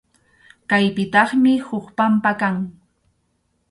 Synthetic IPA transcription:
kajpɪt̪ɑχmɪhʊkpampakaŋ

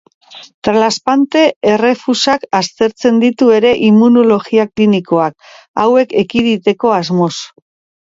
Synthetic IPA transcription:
t̪ɾlaspant̪e̞ere̞fusakast̪e̞ɾt͡se̞nd̪it̪ue̞ɾe̞ʔimunolo̞ɣiakliniko̞ak | awe̞ke̞kiðit̪e̞ko̞azmo̞s

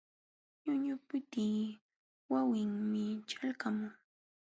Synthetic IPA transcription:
ɲʊɲʊpʊt̪iː | wawɪŋmɪt͡ʃalkamʊŋ

